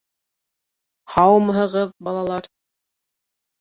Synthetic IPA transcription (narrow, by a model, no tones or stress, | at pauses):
hɑwmɦɤ̆ʁɤp̚bɑlˠɑlˠɑɾ